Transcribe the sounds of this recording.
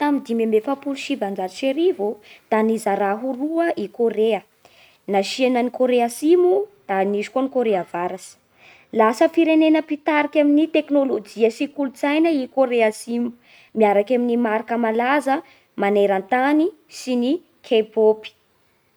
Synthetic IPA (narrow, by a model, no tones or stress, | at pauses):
t̪amid̪imemefapuluʃivand͡ʒaiʃeɾivud̪̥anizaɾaɦuɾuəʔikoɾeə | naʃienənikoɾeasimud̪̥anizi̥konikoɾeavaɾasi̥ | lasəfiɾenenəpit̪aɾikʲaminit̪eknolod͡ʒiəsikulut͡sajnəikoɾeasimu̥ | miaɾakaminimaɾakəmalazə | maneɾant̪anisini | kʰepopi̥